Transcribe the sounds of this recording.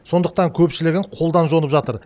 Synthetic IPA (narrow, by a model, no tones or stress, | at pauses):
so̞nd̪əq̚t̪ɑŋkʲʰɵpʃɪlɪɡʲɪŋqʰo̞lˠd̪ɑnʒo̞nəpʒɑt̪əɾ